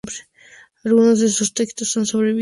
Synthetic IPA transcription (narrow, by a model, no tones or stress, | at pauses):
bɾe | alɣunozd̪esost̪ekt̪osonsoβɾeβi